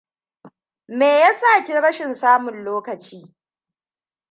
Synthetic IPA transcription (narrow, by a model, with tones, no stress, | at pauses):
meː˨ja˦saː˦˨kʲi˦ɽɐ˦ʃɪ˨nsaː˦mʊ˨nloː˦kɐ˨t͡ʃiː˦